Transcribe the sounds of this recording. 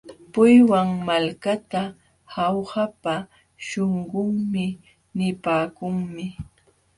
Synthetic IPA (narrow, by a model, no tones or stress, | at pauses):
pʊjwaŋmalkat̪a | hawhapa | ʃoɴɢʊŋmɪ | nɪpaːkʊŋmɪ